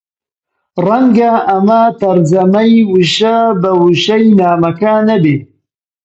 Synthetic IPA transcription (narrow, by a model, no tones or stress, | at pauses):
rɐŋɡɐʔɐmɐt̪ɐɾd͡ʒɐmɐjwɨʃabɐwɨʃɐjnaːmɐkɐnɐbeː